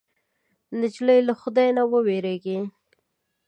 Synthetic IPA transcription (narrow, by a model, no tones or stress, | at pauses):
nɪd͡ʒləjlaxʊd̪ajnawəweɾeɡi